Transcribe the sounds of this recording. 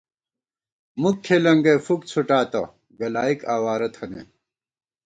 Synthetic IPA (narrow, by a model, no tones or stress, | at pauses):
mukʰːelɐŋɡɐfuk̚t͡sʰuʈaːt̪ɐ̰ | ɡɐlaːikaːwaːɾɐt̪ʰɐnḛ